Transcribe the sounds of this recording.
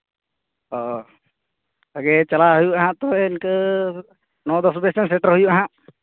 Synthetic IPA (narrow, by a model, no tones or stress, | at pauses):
ɔ | aɡɛt͡ʃalaɦujuʔaɦãʔt̪ɔɪnkə | nɔd̪ɔsbɛsɛnsɛʈəɾɦujuʔaɦãʔ